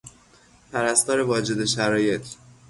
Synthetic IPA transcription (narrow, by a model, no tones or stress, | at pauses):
pʰæɾæst̪ɒːɾe̞vɒːd͡ʒe̞d̪e̞ʃæɾɒːje̞t̪ʰ